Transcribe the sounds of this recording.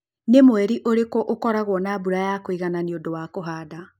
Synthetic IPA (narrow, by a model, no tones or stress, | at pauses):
nemowɛɾiʔoɾekɔʔokɔɾaɣwɔnabuɾajakoiɣananiodowakoɦaːda